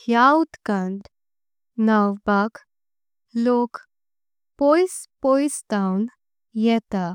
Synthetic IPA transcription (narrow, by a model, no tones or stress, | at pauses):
hjaut̪kãɳʈ | nawbak | lok | pojspojst̪awn | jɛt̪a